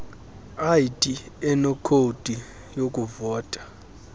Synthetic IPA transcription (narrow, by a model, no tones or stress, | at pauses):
aitʼiɛnɔkʰodʼʱi | jokʼuvɔːtʼḁ